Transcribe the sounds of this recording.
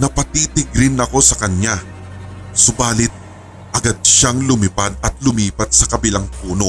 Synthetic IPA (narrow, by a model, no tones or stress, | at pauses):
nɐpɐt̪iːt̪ɪɡ̚ɾɪnːɐko̞sɐkɐɲːa | sʊbaːlɪt̪̚ | ʔɐɡad̪̚ʃaŋlʊmɪpad̪̚ɐt̪̚lʊmiːpɐt̪̚sɐkɐbɪlaŋpuːno̞